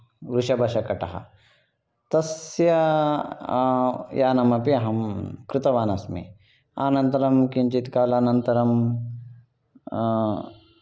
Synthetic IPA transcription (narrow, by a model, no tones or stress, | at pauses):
ɾuʃɐbʱɐʃɐkɐʈɐɦɐ̰ | t̪ɐsjɐ | jaːnɐmɐpiɐɦɐmkɾɪt̪ɐʋaːnɐsmḭ | a̰ːnɐ̃nt̪ɐɾɐmkint͡ʃit̪kaːlaːnɐnt̪ɐɾɐm